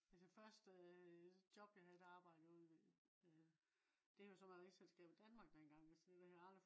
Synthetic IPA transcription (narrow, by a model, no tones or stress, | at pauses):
æsefɶɐsd̥ | jɒ̽b̥jɑ̈ɦæðˠedɑ̈ːb̥ɑ̈ɪ̰dəoð̩ʋe | d̥e̝æjosɒ̽mɑʁe̥selsɡ̥ɛ̰ːb̥id̥ænmɑ̈ːɡ̥̚d̥enɡ̥ɑ̈ŋ̰æsd̥e̥ehæɑ̥̈ɐ